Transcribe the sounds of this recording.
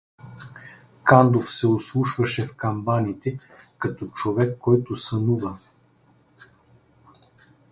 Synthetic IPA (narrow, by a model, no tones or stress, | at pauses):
kand̪ofsɛʊslˠuʃvɐʃɛfkɐmbanit̪ɛ | kɐt̪ɔt͡ʃovɛkːɔjt̪ʊsɐnuvə